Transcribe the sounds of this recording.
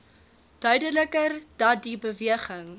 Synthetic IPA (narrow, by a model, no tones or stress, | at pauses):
d̥œɥdələkərd̥ɐdibəviəχəŋ